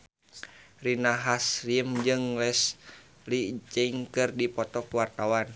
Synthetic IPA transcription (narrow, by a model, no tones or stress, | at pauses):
rinaɦasriəmd͡ʒɨŋlɛs | lit͡ʃəiŋkɨrdipɔt̪ɔkuwart̪awan